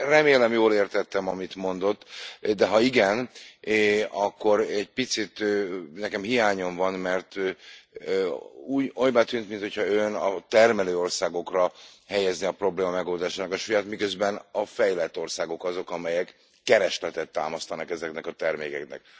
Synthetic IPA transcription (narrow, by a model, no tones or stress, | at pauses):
rɛmeːlɛmjoːleːrt̪ɛt̪ːɛmɒmit̪mo̞nd̪o̞t̪ːd̪ɛɦɒiɡɛn | ɒkːo̞ɾɛɟ̚pit̪sit̪nɛkɛmɦijaːɲo̞ɱvɒnmɛrt̪ | uːjojbat̪yːnt̪mint̪ho̞cʰhɒønɒt̪ɛrmɛløːo̞rsaːɡo̞krɒhɛjɛzniɒpro̞bleːmɒmɛɡo̞ːld̪aːʃaːnɒkɒʃujaːt̪mikø̞zbɛnɒfɛjlɛt̪ːo̞rsaːɡo̞kɒzo̞kɒmɛjɛkː | ɛɾɛʃlɛt̪ɛt̪ːa̰ːmɒst̪ɒnɒkɛzɛknɛkɒt̪ɛrmeːkɛknɛ̰k